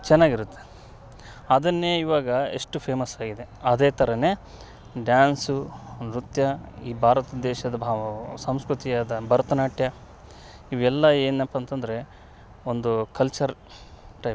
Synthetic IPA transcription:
t͡ʃɛnːaːɡiɾut̪ːe | ɐd̪ɐnːeːiʋaːɡɐḛʂʈupʰeːmɐsaːɡid̪e̞ɐd̪eːt̪ʰɐɾɐne | ɖjaːnsuɾut̪jɐiːbʱaːɾɐt̪ɐd̪ɛːʃɐd̪ɐsɐmskɾut̪ijaːd̪ɐbɐɾɐt̪ɐnaːʈjɐ | iʋɛlːɐeːnɐpːɐnt̪ɐnd̪ɐɾe̞ | o̞nd̪ukɐlt͡ʃɐɾ | ʈɐj

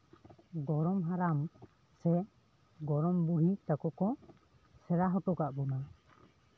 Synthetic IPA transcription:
ɡɔɾɔmɦaɾam | sɛ | ɡɔɾɔmbuɾit̪akɔkɔ | sɛɾaɦɔʈɔkaʔbɔna

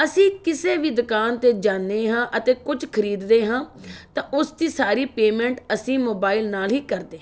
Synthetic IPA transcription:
əsĩːkɪseːʋiːd̪ʊkaːnt̪eːd͡ʒaːnːeːɦãːʔət̪eːkʊd͡ʒkʰəɾiːd̪d̪eːɦãːt̪ãːʔʊsd̪iːsaːɾiːpeːmɛ̃ːɳʈəsĩːmoːbaːɪlnaːlɦiːkəɾd̪eː

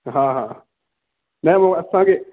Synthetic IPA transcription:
ɦãɦãː | nɛmaɐsãːke

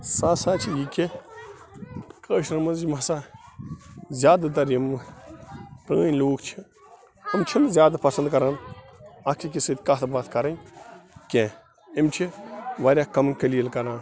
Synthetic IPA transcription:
saːsaːt͡ʃʰijikʲi | kəːʃnɐmɐnzd͡ʒmɐsaː | zʲjaːd̪at̪ɐɾimɨ | pɾəːnʲloːkʰt͡ʃʰi | imt͡ʃʰinzʲjaːd̪apɐsɐnd̪kɐɾaːnɐkʰik̬ʲisɨt̪ʲkat̪ʰɐbaːt̪kɐɾɐnkʲẽː | imt͡ʃʰiʋaːɾʲaːkɐmnkɐliːəlkɐɾãːn

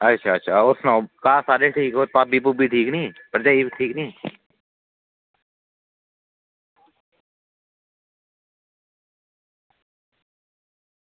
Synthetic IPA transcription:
ətːʃʰaːɐtːʃʰaʊsnãkaːsaːɾeʈʰiːkɦopaːbiːp̬ubʱiʈʰiːknĩpəɾd͡ʒaːiʈʰiːknĩ

